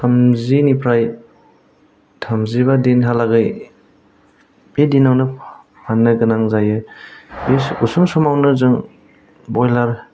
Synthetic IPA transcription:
tʰamzinipʰɾaj | tʰamziβadenɦalaɡɯj | bedinawnɯ | panːɯɡɯnaŋzajɯbeusɯmsɔmawnɯzɯŋ | bɔjlaɾ

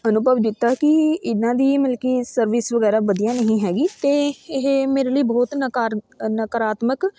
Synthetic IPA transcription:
ənʊbəʋd͡ʒ̪ɪt̪ːaːkɪɪnːãːd̪iːməlkiːsəɾʋɪsʋəɡɛːɾaːʋəd̪ijãːnəɦĩːɦɛːɡiːt̪eːɪɦemeːɾeːləiːbɔːt̪nə | nəkəɾaːt̪mək

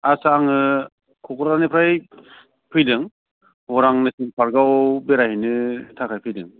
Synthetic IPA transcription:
asaŋɯ | kʰɔkʰɾanɯpʰɾaj | pʰɯjdɯŋ | hɔɾaŋnɯsɯŋpʰaɾɡawbeɾahinɯtʰakʰajpʰɯjdɯŋ

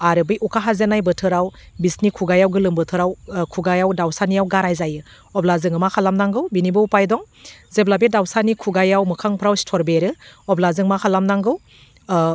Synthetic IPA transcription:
aɾɯbɯjukʰaɦazenajbɯtʰɯɾaw | bisnikʰuɡajawɡɯlɯmbɯtʰɯɾawkʰuɡajawdawsanijawɡaɾajzajɯ | ɔblazɯŋɯmakʰalamnaŋɡɯwbinibɯupajdɔŋ | zeblabedawsanikʰuɡajawmɯkʰaŋpʰɾawsi̥tʰɔɾbeɾɯɔblazɯŋmakʰalamnaŋɡɯw

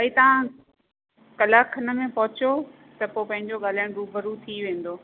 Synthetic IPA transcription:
aːit̪ɐʋ̤ã | kɐlaːkʰɐnə̆mẽpɐɦʊt͡ɕo | t̪ɐpopɐ̃ɦɪ̃ɲd͡ʑoɠaːl̤aːɪɽ̃ɾuːbʱɐɾut̪ʰiʋẽːn̆d̪oː

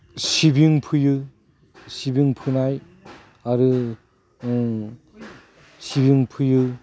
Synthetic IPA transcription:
sibiŋpʰɯjɯ | sibiŋpʰɯnaj | aɾɯ | sibiŋpʰɯjɯ

